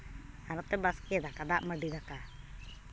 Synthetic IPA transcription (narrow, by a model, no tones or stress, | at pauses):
anɔt̪ɛbaskɛɛd̪akad̪aʔməɖid̪aka